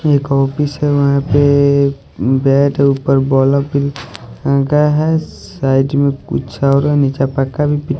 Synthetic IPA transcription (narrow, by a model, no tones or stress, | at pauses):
eːkɔːpɪsɦɛʋɐɦãpe | bɛːʈuːpəɾbɔːlapɪlãːɡaɦɛsaːɪɖmẽkʊ̰t͡ʃʰaɔːɾɛnɪt͡ʃapəkːabʱipɪʈ